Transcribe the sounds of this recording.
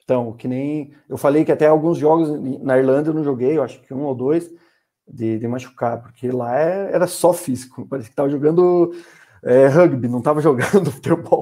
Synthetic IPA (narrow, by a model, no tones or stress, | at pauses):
t̪ɐ̃w̃kɪnẽj̃ | ewfalejkɪat̪ɛawɡũzʒɔɡʊzẽnɐiɾlɐ̃nd̪ɐewnɐ̃w̃ʒoɡejewaʃʊ̥kɪũowd̪ojs | d̪ɪd̪ɪmaʃu̥kapʊɾkʰelaɛɛɾɐsɔfizikʊpaɾɛsɪ̥kɪ̥t̪avɐʒoɡɐ̃nd̪ʊ | ɛɦɐɡbɪnɐ̃w̃t̪avɐʒoɡɐ̃nd̪ʊfu̥t̪eɾbɔw